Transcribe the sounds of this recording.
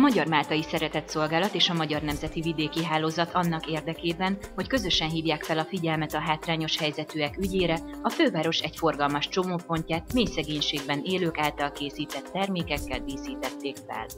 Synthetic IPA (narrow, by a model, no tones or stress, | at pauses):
mɒɟɒrmaːlt̪ɒjisɛɾɛt̪ɛt̪so̞lɡaːlɒt̪eːʃɒmɒɟɒrnɛmzɛt̪ivid̪eːkiɦaːloːzɒt̪ʰɒnːɒkeːrd̪ɛkeːbɛnho̞ckø̞zø̞ʃɛnɦiːvjaːkfɛlɒfiɟɛlmɛt̪ɒɦaːt̪raːɲo̞ʃhɛjzɛt̪yɛkyɟeːɾɛ | ɒføːvaːɾo̞ʃɛɟfo̞rɡɒlmɒʃt͡ʃo̞moːpo̞ɲcaːt̪meːjsɛɡeːɲʃeːɡbɛneːløːkaːlt̪ɒlkeːsiːt̪ɛt̪ːɛrmeːkɛkːɛld̪iːsiːt̪ɛt̪ːeːkfɛ̰l